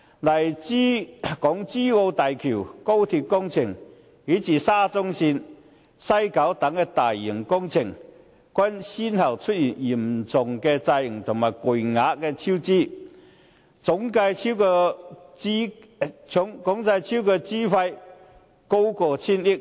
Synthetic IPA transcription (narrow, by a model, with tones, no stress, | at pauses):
lɐ˨˩jt͡si˥kɔː˨˥ŋt͡siː˥ŋo˧wt̪aː˨jkʰiː˨˩wko˥wt̪ʰi˧p̚kʊ˥ŋt͡sʰɪ˨˩ŋ | hiː˨˥t͡siː˨˧saː˥t͡sʊ˥ŋsiː˧n | sɐ˥jkɐ˨˥wt̪ɐ˨˥ŋkɛ˧t̪aː˨˩jːi˨˩ŋkʊ˥ŋt͡sʰɪ˨˩ŋ | kʷɐ˥nsi˥nhɐ˨˩wt͡ʃʰɵ˥t̚jiː˨˩nji˨˩mt͡sʊ˨ŋkɛ˧t͡sɐ˧jŋt̪ʰʊ˨˩ŋmaː˨˩jku˨˩jŋaː˨˧˥kkɛː˧t͡sʰi˥wt͡siː˥ | t͡sʊ˨˥ŋka˧jt͡sʰi˥wkː | i˥ | ʊ˨˥ŋkʊ˨˥ŋt͡sɐ˧jt͡sʰi˥wkɛː˧t͡siː˥fɐ˧j | ko˥wkɔː˧t͡sʰiː˥ni˥k̚